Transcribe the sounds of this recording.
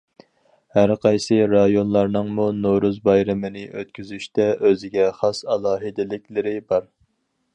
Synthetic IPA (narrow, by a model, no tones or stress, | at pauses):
hæɾqʰɑjsɨɾɑjonlˠɑɾnɨŋmunoɾuzbɑjɾɪmɨnɪʔøt̪̚kʲyzyʃt̪ɛʔøzɪɡʲɛχɑsɑlˠɑːɦɨd̪ɪlɪkʲlɪɾɪbɑɾ